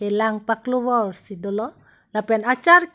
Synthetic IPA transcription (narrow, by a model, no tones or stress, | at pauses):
elaŋpakloβɔrsidɔlɔ | lapɛnat͡ʃaɾk